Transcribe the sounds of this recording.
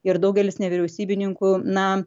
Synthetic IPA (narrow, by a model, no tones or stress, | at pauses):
ɪɾd̪ɐʊɡʲɛlʲɪsnʲɛʋʲɪɾʲɛʊsʲiːbʲɪnʲɪŋkunɐ